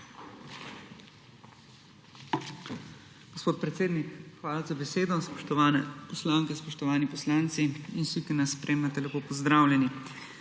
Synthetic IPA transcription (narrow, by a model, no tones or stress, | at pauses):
ɡ̥ɔspoːt̪̚pɾɛt̪seːd̪nikxʋaːlazabɛseːd̪ɔ | pɔslaːŋkɛspɔʃt̪ɔʋaːnipɔslaːnt̪siinsikinasːpɾʔeːmnat̪ɛlɛpoːpɔzd̪ɾaːwlʲɛni